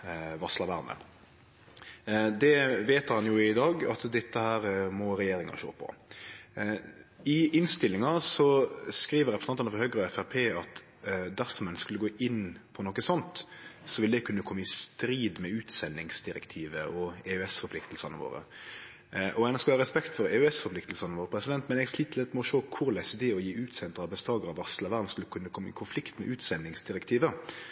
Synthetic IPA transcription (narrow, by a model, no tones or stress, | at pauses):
ʋɑslɑʋæɾnə̰ | d̪ɛʋeːt̪hɑnjʊɪd̪ɑːɡɑt̪d̪ɪt̪ːəhæːɾmɔɾɛjeːɾɪŋɑ̰ʃo̰ːpʰɔ̰ | ɪʔɪnst̪ɪlːɪŋɑsɔskɾiːʋəɾɛpɾəsɑnt̪ɑnəfɔɾhœɡɾəɔɛfæɾpʰeːɑt̪ | d̪æɾsɔmɛnskʉlːəɡoːʔɪnːpʰɔnɔkːəsɔnt̪sɔʋɪləd̪ɛɪkʰʉnːəkʰɔmːəɪst̪ɾiːd̪mɛʉːt̪sɛnːɪŋsd̪ɪɾɛkt̪ʰiːʋəʔɔeøɛsfɔɾpʰlɪkt̪əlsɑnə̰ʋo̰ːɾə̰ | ʔɔɛnskɑlɑːɾʁɛspɛkt̪fɔɾeʉɛsfɔɾplɪkt̪lsɑnəʋoːɾpʰɾɛsɪd̪ɛnt̪mɛnɛɡsliːt̪ʰːlɛt̪ːmɛɔʃoːkʰʊɾlæɪsəd̪ɛɔjiːʉːt̪sɛnt̪əɾɑbɛst̪ɑːɡəɾɑʋɑslɑʋæʁd̪nskʉləkʰʉnːəkʰɔmːəɪ̰kʰʊnflɪkt̪mɛʔʉːt̪sɛnːɪŋsd̪ɪɾɛkt̪ʰiːʋə